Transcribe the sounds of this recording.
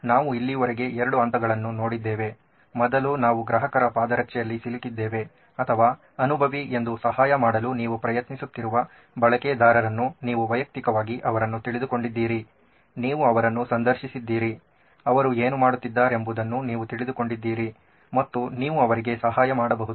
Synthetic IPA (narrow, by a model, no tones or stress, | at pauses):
naːʋuilːiʋɐɾeɡe̞ɛɾɐɽuɐnt̪ɐɡɐɭɐnːuno̞ːɽid̪ːeːʋe̞ | mɔd̪ɐlunaːʋuɡɾɐɦɐkɐɾɐpaːd̪ɐɾɐkt͡ʃɛjɐlːisilikid̪ːeːʋe̞ | ɐt̪ʰɐʋaː | ɐnubʱɐʋie̞nd̪usɐhaːjɐmaːɽɐluniːʋupɾɐjɐt̪nisut̪ːiɾuʋɐ | bɐɭɐkeːd̪aːɾɐɾɐnːuniːʋuʋɐjɐk̚t̪ikɐʋaːɡiʔɐʋɐɾɐnːut̪iɭid̪uko̞ɳɖid̪ːiːɾi | niːʋuɐʋɐɾɐnːusɐnd̪ɐɾʃisid̪ːiːɾi | ɐʋɐɾueːnumaːɽut̪ːid̪ːaːɾe̞mbud̪ɐnːuniːʋut̪iɭid̪uko̞ɳɖid̪ːiːɾi | mɐt̪ːuniːʋuɐʋɐɾiɡe̞sɐɦaːjɐmaːɽɐbɐɦud̪u